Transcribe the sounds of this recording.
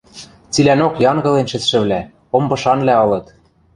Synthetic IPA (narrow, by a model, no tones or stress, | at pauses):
t͡silænokjɑŋɡɤ̆lenʃɘ̆t͡sʃɘ̆βlæ | ombɤ̆ʃɑnlæɤ̆lɤ̆t̪